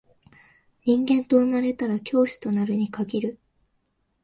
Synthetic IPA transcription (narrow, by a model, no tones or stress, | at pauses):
ɲĩŋɡẽ̞nt̪o̞ɯ̟maɾe̞t̪aɾakʲo̞ːɕi̥t̪o̞naɾɯ̟ɲ̟ikaɡʲiɾɯ̟